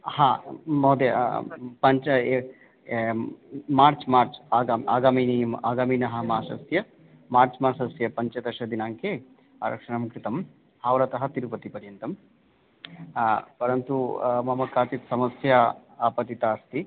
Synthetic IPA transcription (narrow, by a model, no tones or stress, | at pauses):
haːmɐd̪ḛpɐɲt͡ʃɐ | maːɾt͡ʃmaːɾt͡ʃaːɡaːma̰ːɡaːminimaːɡaːmiːnɐɦɐmaːʃɐ̰sjɐ | maːɾt͡ʃmaːsɐsjɐpɐɲt͡ʃɐd̪ɐʃɐd̪inaːŋke | a̰ːɾɐ̰kʂɐɳɐmukɾit̪ɐm | haːʋɾɐt̪ɐɦɐt̪iɾupɐt̪ipɐɾjɐnt̪ɐm | pɐɾɐnt̪umɐmɐkaːt͡ʃ̪it̪sɐmɐsjaːpɐt̪it̪aːst̪i